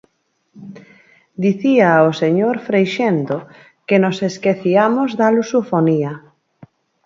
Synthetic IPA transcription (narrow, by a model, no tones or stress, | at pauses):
d̪iθiaoseɲoɾfɾejʃend̪o | kenoseskeθiamozðalusofonia